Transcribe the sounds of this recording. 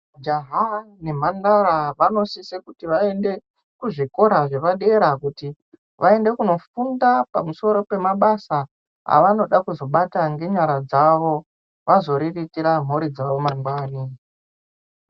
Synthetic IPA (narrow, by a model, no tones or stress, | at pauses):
d͡ʒaɦa | ne̞m̤andaɾaʋano̞sisekutiʋae̞nde̞ | kuʐiko̞ɾaʐe̞ʋaɗe̞ɾakuti | ʋʔae̞nde̞kuno̞fundapamuso̞ɾo̞pe̞maɓasa | a̰ʋano̞ɗakuzo̞ɓataŋɡe̞ɲaɾad͡zaʋo̞ | ʋazo̞ɾiritiɾam̤uɾid͡zaʋo̞maŋɡwaːni